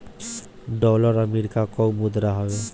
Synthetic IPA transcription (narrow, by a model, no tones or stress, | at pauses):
ɖɔlɔɾameɾikakɔwmud̪ɾaɦɔe